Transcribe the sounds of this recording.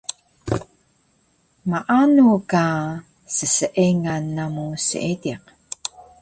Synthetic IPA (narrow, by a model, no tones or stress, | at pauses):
maʔanuka | səsəʔiŋanːamusə̰ʔidiq